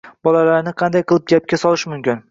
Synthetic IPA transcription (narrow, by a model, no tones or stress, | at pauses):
b̥ɒlalaɾnɪqʰɑnd̪ajqʰɨlˠɪp̚ɡʲap̚kʲasɒlˠɪʃmʊmkʲɪn